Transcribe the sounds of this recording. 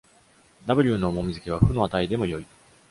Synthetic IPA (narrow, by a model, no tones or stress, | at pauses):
d̪abɯ̟ɾʲɯːno̞ːmo̞mʲizɨkʲeβ̞aɸɯ̟no̞at̪aid̪e̞mo̞jo̞i